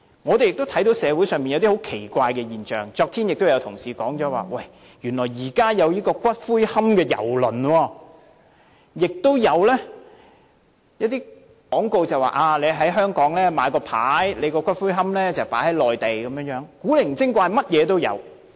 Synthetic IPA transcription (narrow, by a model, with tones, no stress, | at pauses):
ŋɔ˨˧t̪e˨jɪ˨k̚t̪o˥wt̪ʰɐ˨˥jt̪o˨˥wsɛː˨˧wuː˨˥jsœː˨ŋmpiː˨jɐ˨˧wt̪iː˥ho˨˥wkʰe˨˩jkʷaː˧jkɛː˧jiː˨nt͡ʃœ̰ː˨˩ŋt͡sɔː˧k̚t̪ʰiː˥njɪ˨k̚t̪o˥jɐ˧wt̪ʰʊ˨˩ŋsiː˨˩kɔː˨˥ŋt͡sɔː˨˥wa̰ː˨˩wɐ˥˩j | jyː˨˩nlɔː˨˩jjiː˨˩kaː˥jɐ˨˧wjiː˥kɔː˧kʷɐ˥t̚fuː˥jhɐ˥mkɛː˧jɐ̰˨˩wlɵ˨˩nwɔː˧ | jɪ˨k̚t̪o˥wjɐ˨˧wlɛː˥ | jɐ˥t̚t̪iː˥ | kɔː˨˥ŋko˨˧wt͡sɐ˨wa̰ː˨˩ʔaː˧le˨˧jɦɐ˨˥jɦœː˥ŋkɔː˨˥ŋlɛː˥maː˨˧jkɔː˧pʰaː˨˥jle˨˧jkɔː˧kʷɐ˥t̚fuː˥jɦɐ˥mlɛː˥t͡sɐ˨wpa̰ː˨˥jhɐ˨˥jlɔː˨jt̪e˨jkɐ˨˦mjœː˧˥ŋjœː˨˥ŋkuː˨˥le˨˩m̩˨˩t͡sɪ˥ŋkʷaː˧jmɐ˥t̚jɛː˨˧t̪o˥wjɐ̰˨˧w